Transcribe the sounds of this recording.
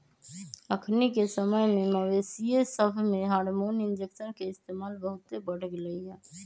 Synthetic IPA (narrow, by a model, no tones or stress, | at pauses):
əkʰnikesəməjmẽməʋeːsiesəbʱmẽɦaːɾmoːnɪnd͡ʒekʃənkeɪst̪eːmaːlbəɦʊt̪ːebəɽəɡləiɛ̃ː